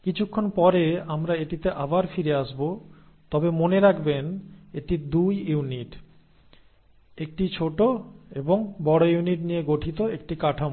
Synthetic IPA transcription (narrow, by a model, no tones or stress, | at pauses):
kit͡ɕʰukʰːonpɔɾeamɾaeʈit̪eʔabaɾfiɾeaʃbo | t̪ɔbemoneɾakʰbeneʈid̪ujuniʈ | ek̚ʈit͡ɕʰoʈoeboŋbɔɽojuniʈnijeɡoʈʰit̪oek̚ʈikaʈʰam